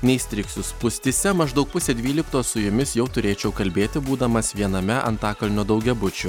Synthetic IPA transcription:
nʲɛɪsʲt̪ʲɾʲɪksʊspʊsʲt̪ʲɪsʲɛmɐʒd̪ɒʊk̚pʊsʲed̪ʲʋʲiːlʲɪkt̪oːssʊjʊmʲɪsjɛʊt̪ʊɾʲeːt͡ʃʲɛʊkɐlʲbʲeːt̪ʲɪbuːd̪ɐmɐsʋʲiɛnɐmʲɛʔɐ̰nt̪ɑːkɐlʲnʲoːd̪ɐʊɡʲɛbʊt͡ʃʲʊ

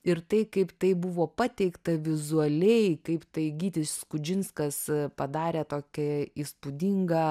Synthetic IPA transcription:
ɪɾt̪ɐɪkɐɪpt̪ɐɪbʊʋoːpɑt̪ʲɛɪkt̪ɐʋʲɪzuɐlʲɛɪkɐɪpt̪ɐɪɡʲiːt̪ʲɪsskʊd͡ʒʲɪnskɐspɐd̪ɑːɾʲeːt̪oːkʲɛiːspʊd̪ʲiŋɡɐ

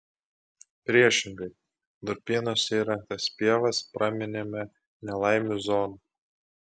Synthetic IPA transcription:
pʲɾʲiɛʃʲɪŋɡɐɪ | d̪ʊɾʲpʲiːnoːsʲiːɾɐŋk̚t̪ɐspʲiɛʋɐspɾɐmʲɪnʲemʲɛ | nʲɛlˠɑɪmʲuzɔːnu

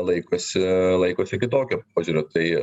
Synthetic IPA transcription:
lˠɐɪkoːsʲɪlˠɐɪkoːsʲɪkʲɪt̪oːkʲop̚oːʒʲuːɾʲʊt̪ɐɪ

